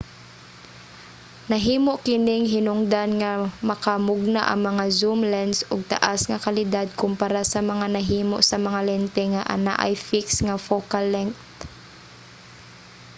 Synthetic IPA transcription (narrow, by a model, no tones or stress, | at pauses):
nɐɦiːmoʔkɪnɪŋɦɪnʊŋd̪anŋamɐkamʊɡ̚na̰ʔɐ̰ŋmɐŋazumlɛnsʊɡ̚t̪a̰ʔasŋakalɪd̪ad̪̚kʊmpaɾasɐmɐŋanɐɦiːmoʔsɐmɐŋalɛnt̪ɛŋaʔa̰na̰ʔa̰jfiksŋafokalɛŋkt̪